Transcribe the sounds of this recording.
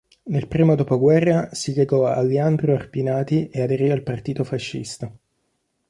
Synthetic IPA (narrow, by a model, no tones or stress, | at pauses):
nelpɾiːmod̪oːpoɡwɛrːasiʎeɡɔa̰lːeand̪ɾoarpinaːt̪iead̪eɾialpart̪iːt̪ofaʃːḭst̪a